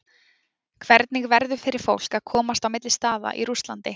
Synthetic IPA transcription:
kʰvɛɾt̪nɪɣvɛɾðʏ̥fɪɾɪɾ̥fowl̥kaðkʰɔːmast̪awmɪt̪lɪst̪aːða̰ʔḭɾust̪lant̪ɪ

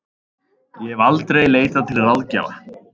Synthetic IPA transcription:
jɛɦɛvalt̪ɾejleːjt̪at̪ʰɪlrawðca̰ːwa̰

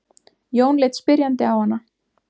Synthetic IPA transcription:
joːwnlɪːt̪spɪɾjant̪ɪawhanːa

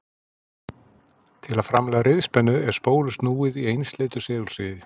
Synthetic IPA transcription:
t̪ʰɪlaðfɾamlɛːɣaɾɪðspɛnːʏɛɾ̥spoːwlʏst̪nuːɪðiejnst̪leːjt̪ʏ̥sɛːðʏlsɪːðɪ

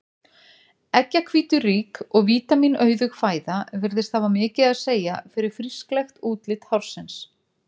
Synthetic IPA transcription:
ɛcːakʰviːt̪ʏriːkɔɣviːt̪aminœːɥðʏɣfaːjðavɪɾðɪst̪θavamɪːcɪðaðseːjafɪɾɪɾ̥fɾisklɛxt̪uːt̪lɪt̪hawɾ̥sɪns

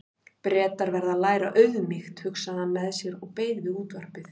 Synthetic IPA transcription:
pɾɛːt̪aɾvɛɾðalaːjɾa̰ʔœɥðʏmɪxt̪hʏksaðanmɛðsjɛɾɔɣpeːjðvɪuːt̪vaɾ̥pɪθ

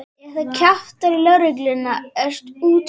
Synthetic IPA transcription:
θacʰaft̪aɾilœɾɪklɪnaɛst̪uːt̪

